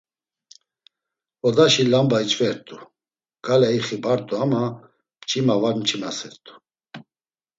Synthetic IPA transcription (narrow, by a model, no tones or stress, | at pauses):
ɔd̪aʃilambait͡ʃʰʼvɛɾt̪ʼu | ɡ̥alɛiχibaɾt̪ʼuama | mt͡ʃʰʼimavaɾmt͡ʃʰʼimasɛɾt̪ʼu̥